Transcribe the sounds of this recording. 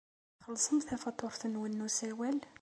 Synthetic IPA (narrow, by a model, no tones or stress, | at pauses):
xəlːsˤəmθæfɑt̪ˤːʊɾˤθənwənːusæwæl